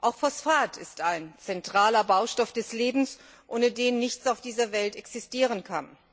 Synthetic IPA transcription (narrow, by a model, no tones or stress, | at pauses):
ʔaʊxfɔsfaːtʰɪstaɪnt͡sɛntʁ̥aːlɐbaʊʃtɔfd̥ɛsleːbm̩s | ʔʊːnədeːnːɪçt͡saʊfd̥iːzɐvɛltɛksɪstiːʁ̞ənkʰa̰n